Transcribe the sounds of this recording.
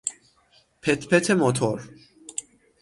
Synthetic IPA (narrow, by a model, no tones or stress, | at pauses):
pʰɛt̪ʰpʰɛt̪ʰɛmɔt̪ʰɔɾ